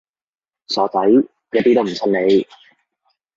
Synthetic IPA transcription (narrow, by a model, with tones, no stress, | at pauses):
sɔː˨˥t͡sɐ˨˥j | jɐː˥t̪iː˥t̪o˥wm̩˨˩sʰɐ˥nne˨˧j